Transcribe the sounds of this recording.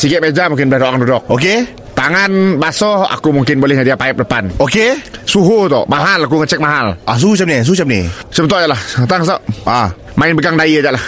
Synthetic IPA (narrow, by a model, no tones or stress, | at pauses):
sikɛt̪̚med͡ʒamuŋkɪnbəlahdoakandudɔk̚oke | t̪aŋanbasɔa̰kumuŋkɪnbolɛhɲadiapaɛp̚dəpanokesuɦut̪ɔ̰ʔmaɦalak̬uŋət͡ʃɛk̚maɦalʔas̬uut͡ʃap̚nis̬uhut͡ʃap̚nḭsəbənt̪ɔʔjaʔlaht̪aŋsɔʔa | maɪnbəɡaŋdaiad͡ʒaʔlah